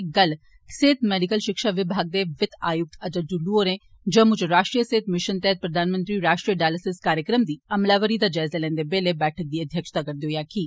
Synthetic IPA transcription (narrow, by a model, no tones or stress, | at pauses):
ɡəl | kseːt̪mɛːɖɪkəlʃɪkʃaːʋɪbʱaːɡ̚d̪eʋɪt̪aːjʊk̚t̪ət̪əʈuluoɾẽː | d͡ʒə̃ːmʊd͡ʒɾaːʃʈɾijəseːt̪mɪʃənt̪ɛːɦət̪̚pɾəd̪ʱaːnmə̃nt̪ɾiːɾaːʃʈɾijəɖaːləsɪskaːɾjəkɾəmd̪iːɐmlaːʋəɾid̪aːd͡ʒaːɪzalɛ̃ːnd̪ebeːlebɛːʈʰək̚d̪iːəd̪ʱjəkʃt̪aːkəɾd̪eɦojaːkiː